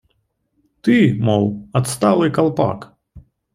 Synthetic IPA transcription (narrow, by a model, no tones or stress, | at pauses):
t̪ɨmɔlˠɐt̪st̪alˠɨjkɐlˠpa̰k